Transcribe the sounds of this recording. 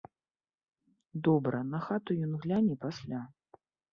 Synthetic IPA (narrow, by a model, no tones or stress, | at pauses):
d̪ɔbɾɐnɐxat̪ujɔnɣlʲanʲipasʲlʲa